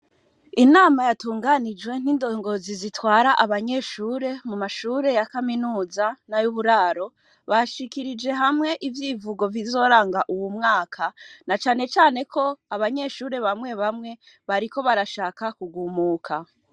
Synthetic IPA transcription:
inaːmajatuːŋɡanid͡ʒwe̞n̥indo̞ŋɡo̞zizitwaːɾaʔaβaɲe̞ːʃuːɾe̞mumaʃuːɾe̞jakaminuːzanajuβuɾaːɾo̞ | βaʃikiɾid͡ʒe̞ɦamŋe̞ʔivjiːvuɡo̞vizo̞ːɾaːŋɡaʔuwumŋaːkʰanat͡ʃaːne̞t͡ʃaːne̞kʰo̞aβaɲe̞ʃuːɾe̞βamŋe̞βamŋe̞ | βaɾiko̞βaɾaʃaːkakuɡumuːkʰa

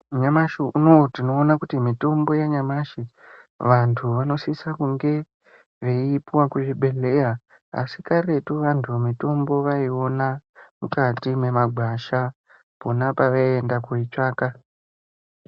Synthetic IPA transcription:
ɲamaʃiʔunotino̞ːnakutimito̞mbo̞jeɲamaʃi | ʋantʰuʋano̞sisakuŋɡe̞ | ʋeipuwakuʐibʱe̞le̞ja | a̰sikare̞tuʋantʰuemito̞mbo̞ʋaio̞namukatime̞maɡʱwaʃa | ponapaʋaie̞ndakuit͡ʃaːka

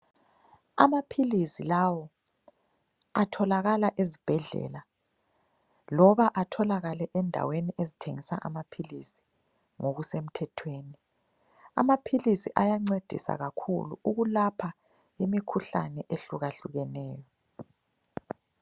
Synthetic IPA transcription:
a̰mapʰilisilawɔ | atʰɔlaɣalaʔezib̥ʱɛɮɛ̰la | lɔβaʔatʰɔlaɣalɛʔɛndʱa̰weniʔezitʰeŋisaʔa̰mapʰilisi̥ | ŋoɣusem̩tʰɛtʰweːni | a̰mapʰilisiʔajaŋ͡ǀed̥ʱḭsa̰ɣakʰṵlṵuɣulapʰa | imikʰuɬa̰nɛʔeɬuɣaɬuɣɛnɛːjɔ

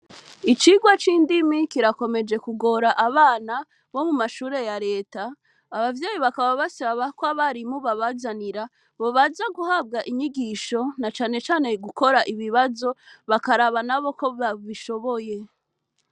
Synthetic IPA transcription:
it͡ʃiɡwat͡ʃiːndimikiɾako̞me̞d͡ʒe̞kuɡo̞ɾaʔaβaːna | βo̞mumaʃuːɾe̞jaɾe̞ːtaː | βavje̞ːjiβakaβaβasaβakwaβaɾimuβaβazaniɾa | βo̞βazaɡuhab̚ɡaʔiɲiɡiʃo̞nat͡ʃaːne̞t͡ʃaːne̞ɡuko̞ɾaʔiβiβazo̞βakaɾaβanaβo̞ko̞βaβiʃo̞βo̞je̞

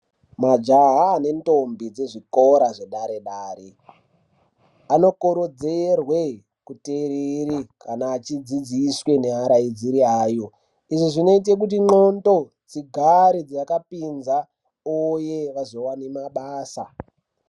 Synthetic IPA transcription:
mad͡ʒaɦaːne̞ntombid͡zeʐikoɾaʐeɗaɾeɗaːɾe | ano̞koɾod͡zerwe | kuteɾerikanaːt͡ʃid͡zid͡ziswe̞ne̞ɦaɾaid͡ziɾiaːjo̞ | iʐoʐino̞it̬e̞k̬ut̬iŋ͡ǃonto | t͡siɡʱaɾid͡zajakapinza | ojeʋazo̞wanemaɓaːsa

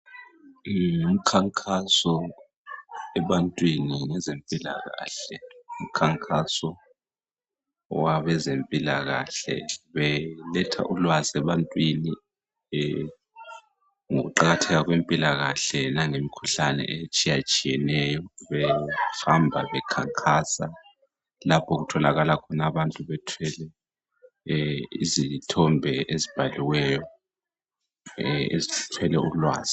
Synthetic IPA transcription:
um̩kʰaŋkʰʼasɔ | ɛɓantʼwiniŋɛzempʼila̰ɣa̰ːɬɛum̩kʰaŋkʰʼasɔ | waɓɛzempʼilaɣ̬aɬɛ̰ɓɛlɛtʰa̰ʔulwazɛɓantʼwini | ɛ | ŋok̬uǃak̬atʰɛk̬ak̬wempʼilaɣ̬aɬɛnaŋemikʰuɬanɛ̰ʔet͡ʃʼijat͡ʃʼijɛnɛjɔβɛfambʱaβɛkʰaŋkʰasa | lapʰɔɣutʰɔlaɣalakʰɔnaβantʼuβɛtʰwɛlɛ | izitʰɔmbʱɛʔezib̥ʱaliwɛjɔ | ḛztʰwɛlɛulwa̰ːz̥i

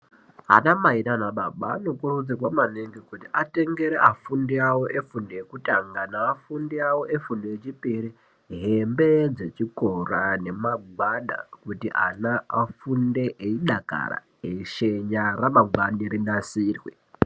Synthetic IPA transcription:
ɦa̰namainanaɓaɓaːno̞kurud͡zirwamaneŋɡekutiʔate̞ŋɡe̞ɾeʔafundiawo̞ʔe̞fundeekutaŋɡanaːfundiawo̞efundeet͡ʃipiɾi | ɦembe̞d͡ze̞t͡ʃikorane̞maɡwaɗa̰kutiʔa̰naːfunde̞ʔeiɗaka̰ɾa̰ | eʃeɲaraɓaɡaniɾinasiːrwḛ

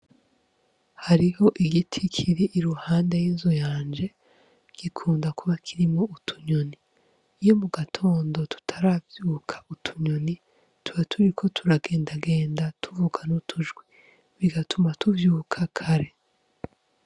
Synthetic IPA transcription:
haɾiho̞ʔiɡitʰikʰiɾiʔːɾuhaːnde̞jinzojaːnd͡ʒe̞ | ɡ̥ikʰuːndakuβakʰiɾimŋo̞utʰu̥ɲo̞ni | jo̞muɡatʰo̞ːndo̞tu̥tʰaɾavjuːkʰḁutʰu̥ɲo̞ni | tuβatʰuɾikʰo̞tʰuɾaɡe̞ːndaɡeːndatʰuvuɡanutʰuʒɡwi | βiɡatʰumatuvjuːkʰakʰaɾe̞

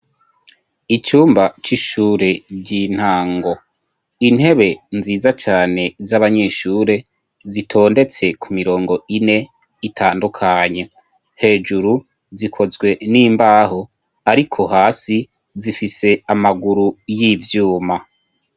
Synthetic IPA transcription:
it͡ʃuːmbat͡ʃiʃuːɾe̞ɟin̥haːŋɡo̞ | in̥he̞βe̞nziːzat͡ʃaːne̞zaβaɲe̞ːʃuːɾe̞ | zitʰo̞ːnde̞t͡se̞kumiɾo̞ːŋɡo̞ʔine̞ | itʰaːndukʰaɲe̞ | he̞ːd͡ʒuɾu | zikʰo̞zɡwe̞niːmbaːɦo̞ | aɾikʰo̞ɦaːsi | zifise̞amaɡuɾujiːvjuːma

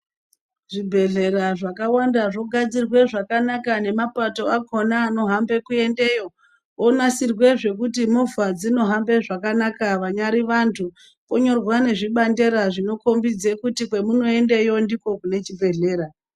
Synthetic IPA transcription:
ʐibʱe̞ɮe̞ɾaʐakawandaʐo̞ɡʱad͡zirwe̞ʐakanakane̞mapato̞akʰo̞naːno̞ɦambe̞kue̞nde̞jo̞ | onasirwe̞ʐe̞kut̬imovad͡zino̞ɦambe̞ʐakanakaʋaɲaɾiʋantʰu | koɲo̞rwane̞ʐiɓande̞ɾaʐino̞ko̞mbid͡ze̞kutikwe̞muno̞e̞ndejo̞ndiko̞kune̞t͡ʃibʱe̞ɮe̞ːɾa

